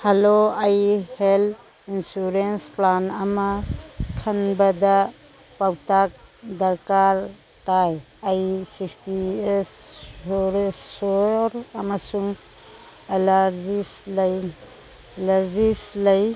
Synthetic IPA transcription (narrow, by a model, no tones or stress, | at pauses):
haloajhel | insuɾensplanɐmakʰanbada | pawtak̚d̪aɾkaɾ | ʈaj | ajsisties | ɾesːɔɾamasuŋ | elaɾzislj | laɾzislaj